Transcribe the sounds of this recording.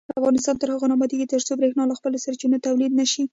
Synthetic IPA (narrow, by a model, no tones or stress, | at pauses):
d̪əafɣɑnɪst̪ɑnt̪əɾhaɣonɑbɑd̪iket̪əɾt͡sobɾexnɑlaxpəlasaɾt͡ʃinat̪awlid̪naʃi